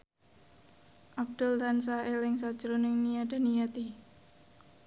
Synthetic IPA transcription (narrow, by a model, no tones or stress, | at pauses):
ʔab̚d̪̥ʊlt̪ansaelɪŋsḁʒ̥ɾonɪŋnijad̥a̤nijat̪i